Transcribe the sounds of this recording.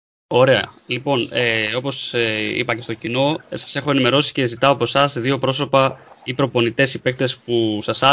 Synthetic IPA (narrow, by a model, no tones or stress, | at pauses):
o̞ɾe̞ɐ̰lipo̞neo̞po̞sḭpɐce̞st̪o̞cino̞sɐ̥se̞xo̞e̞nime̞ɾo̞si̥ce̞zit̪ɐoɐpo̞sɐsðio̞pɾo̞so̞pɐ | ipɾo̞po̞nit̪e̞sipe̞k̚t̪e̞spusɐsɐ